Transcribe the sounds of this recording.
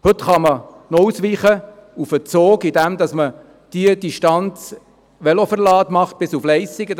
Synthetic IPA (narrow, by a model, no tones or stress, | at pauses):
hɵt̪χɑmə | nɔusʋiːχəufət͡soːkidæmd̪ɑsmə | d̥iəd̥iʃtɑnt͡s | ʋɛlofəɾlɑːtmɑχt̚b̥ɪsuflɛɪsɪɡə